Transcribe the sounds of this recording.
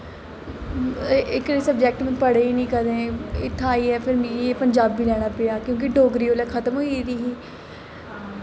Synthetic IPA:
ɪkːsəbd͡ʒɛːk̚ʈmə̃pəɽeːiːnĩːkəɾd̪ẽːɪt̪ʰːãaːiːɛːpʰɪɾmĩːieːpəɲd͡ʒaːbːiːlɛːɽ̃aːpɪaːkjõːk̬ɪɖoːɡɾiːoːlɛːkʰət̪əmɦoiɾiɦiː

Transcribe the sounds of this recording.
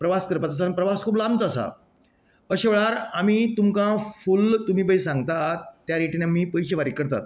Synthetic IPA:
pɾəʋaskəɾpat̪əs̬anpɾəʋaskʰuːplamt͡səsa̰ | əɕeʋɭaɾamiːt̪umkãfult̪um̤iːpəisãŋɡt̪at̪ːjaɾeʈiːnamiːpəjɕeʋaɾikəɾt̪a̰t̪

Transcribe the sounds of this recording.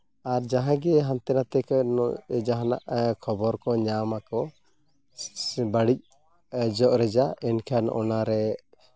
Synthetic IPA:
aɾd͡ʒaɦãɡɛɦamt̪ɛnat̪ɛknd͡ʒaɦana̰ʔkʰɔbɔɾkɔɲamakɔ | baɽic̚ | d͡ʒɔʔɾɛd͡ʒaɛnkʰanɔ̰naɾɛ

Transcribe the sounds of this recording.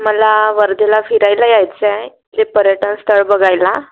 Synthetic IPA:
məlaʋəɾd̪elafiɾajlajajt͡sɛ | d͡zepəɾjəʈənst̪ʰəɭbəɡajla

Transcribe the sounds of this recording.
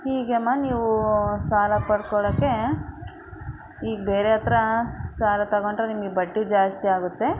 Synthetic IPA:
hiːɡɐmːaniːʋusaːlɐpɐɽkɔɭɐːkːe̞ | iːɡbeːɾeɦɐt̪ɾɐsaːlɐt̪ɐɡoɳɖɾenimɡibɐɖːid͡ʒaːst̪iaːɡut̪ːe̞

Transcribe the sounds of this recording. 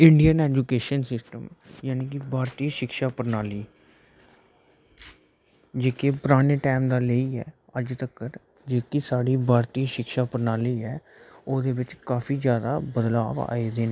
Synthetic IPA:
ɪɳɖijənɛːd͡ʒuːkeːʃənsɪsʈəmjaːniːkɪbʱaːɾt̪iːʃɪkʃaːpəɾnaːliː | d͡ʒeːkepʊɾaːneːʈaːmd̪aːleiːɛ̰ː | əd͡ʒt̪əkːəɾ | d͡ʒeːkɪsaːɽiːbʱaːɾt̪iːʃɪkʃaːpəɾnaːliːɛː | oːd̪eːbɪt͡ʃkaːfʰiːzjaːd̪a̰ːbəd̪la̰ːʋa̰ːeːd̪eːneː

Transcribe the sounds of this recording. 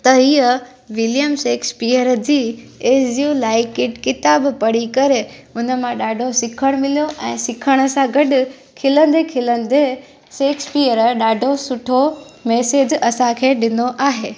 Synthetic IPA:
t̪ɐɦiə | ʋɪljəmseːkspiːəɾd͡ʑiː | eːsjuːlaːɪkɪʈkɪt̪aːbpɐɽ̤ikɐɾeʊnə̆mãɗaːɖʱosɪkʰəɽ̃mɪlijoʔɛ̃ːsɪkʰəɽ̃ə̆sãɡɐɗʊ | kʰɪlə̃nd̪ekʰɪlə̃nd̪e | seːkspiːəɾəɗaːɖʱosʊʈʰomeːseːd͡ʑɐsãkʰeːɗɪnd̪oʔaːɦeː

